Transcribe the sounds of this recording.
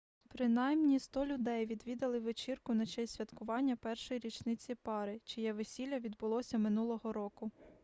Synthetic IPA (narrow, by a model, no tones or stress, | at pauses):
pɾɪnɑjmnʲist̪ɔlʲʊd̪ɛjʋʲid̪ʋʲid̪ɐlˠɪʋet͡ʃirkʊnɐt͡ʃɛsʲʋʲɐt̪kʊʋɑnʲːɐpɛrʃɔjiɾʲit͡ʃnɪt͡sʲipɑɾɪt͡ʃɔjɛʋesʲilʲːɐʋʲid̪bʊlˠɔsʲɐmɪnulˠɔɦɔɾɔkʊ